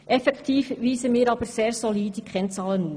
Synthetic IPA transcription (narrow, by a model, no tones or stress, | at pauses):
ʔɛfɛktʰiːfʋiːsəmiːɾɑːbəɾseːɾsɔliːdiɡʁɛnt͡sɑːlənuː